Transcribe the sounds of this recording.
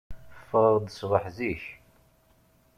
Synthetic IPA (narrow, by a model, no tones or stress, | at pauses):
fːəʁˤd̪əsʁəħziç